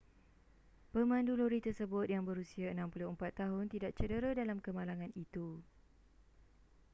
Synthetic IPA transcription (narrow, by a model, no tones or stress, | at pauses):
pəmãnduloɾit̪ərsəbʊt̪̚jaŋbəɾusiaənãmpulʊəmpat̪ːaɦʊnt̪idaʔt͡ʃədəɾadalamkəmalaŋãnit̪u